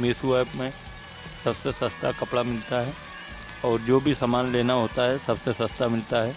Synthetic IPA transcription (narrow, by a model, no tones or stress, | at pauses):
meːsuaːbmẽ | sɐbsesɐst̪akɐpɽamɪlt̪aɦɛː | ɔːɾd͡ʒoːbʱisamaːnleːnaɦoːt̪aɦɛsɐbsesɐst̪amɪlt̪aɦɛː